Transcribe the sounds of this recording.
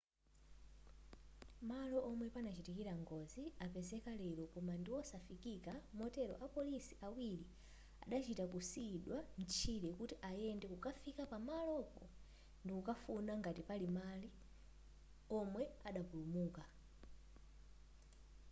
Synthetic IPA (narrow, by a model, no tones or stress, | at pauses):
malɔʔɔmwɛpanat͡ʃitikiɾaŋɡɔziapɛzɛkalɛɾɔkɔmandiwɔsafikikamɔtɛɾɔ̰ʔapɔlisiʔawiɾi | a̰ɗat͡ʃitakusiɗwam̩t͡ʃʰilɛkutiʔajɛndɛkukafikapamalɔpɔ̰ | ndikukafunaŋɡatipalimali | ɔmwɛaɗapulumuːka